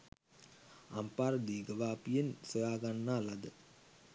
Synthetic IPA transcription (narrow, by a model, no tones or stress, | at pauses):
ampaːɾəd̪iːɡəʋaːpijensəjaːɡanːaːlad̪ə